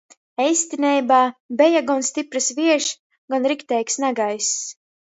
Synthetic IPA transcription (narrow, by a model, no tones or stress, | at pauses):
ɛjsʲt̪ʲinʲɛjbaːbɛjaɡɔnst̪ipɾɨsviɛʃ | ɡanɾikt̪ɛjksnaɡajs